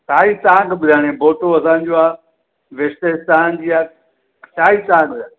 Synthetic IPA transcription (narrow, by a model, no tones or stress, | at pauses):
sʰaːit̪ãːkbɪd̪ʱaːɽ̃ẽboːʈoɐsãːɲ̆d͡ʑoːaː | ʋest̪est̪aːnd͡ʑiːaː | t͡ʃʰaːit̪ãːɡɪd̪ʱaː